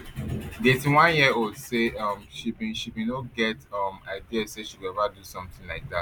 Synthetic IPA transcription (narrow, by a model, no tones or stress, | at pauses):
dietĩnwãnjiodseʌmʃibĩʃibinoɡɛtʌmaɪdiazseʃiɛvadusɔ̃mtĩŋlaɪk̚ðat